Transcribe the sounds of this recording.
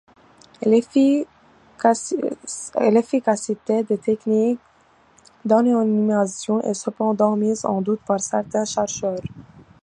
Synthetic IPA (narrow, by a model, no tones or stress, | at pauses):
lefikasit̪ed̪et̪ʰɛknik | d̪ananimasjɔ̃ʔɛsəpɑ̃d̪ɑ̃mizɑ̰̃d̪ut̪paʁsɛʁt̪ɛ̃ʃɛʁʃœːʁ